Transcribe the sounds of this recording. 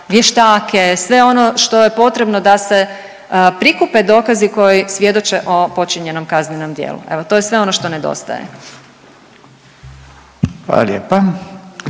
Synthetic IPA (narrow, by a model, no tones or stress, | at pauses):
ʋjeʃt̪aːke̞sʋe̞o̞no̞ʃt̪o̞je̞po̞t̪ɾe̞bno̞d̪ase̞ | pɾikupe̞d̪o̞ːkaziko̞jisʋje̞d̪o̞t͡ʃe̞ʔo̞po̞t͡ʃiɲe̞no̞mkazneno̞md̪jḛːlṵʔe̞̰ʋot̪o̞jesʋe̞o̞noʃt̪o̞ned̪o̰st̪a̰jḛ | xʋa̰la̰ljeːpa